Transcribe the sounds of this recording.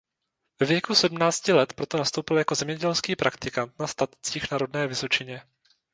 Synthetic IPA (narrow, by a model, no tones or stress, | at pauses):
vɛvjɛkusɛdmnaːt͡scɪlɛt̪pɾo̞t̪o̞nast̪owpɪljako̞zɛmɲɛɟɛlskiːpɾakt̪ɪkant̪nast̪at̪t͡siːxnaɾo̞dnɛːvɪso̞t͡ʃɪɲɛ